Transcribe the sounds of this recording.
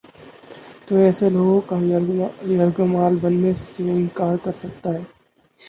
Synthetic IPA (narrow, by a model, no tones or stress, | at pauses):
t̪oɛːseloːɡõkaɾjɐɾɡmaːlbɐnːeseɪ̃nkaːɾkɐɾsɐk̚t̪aɦɛː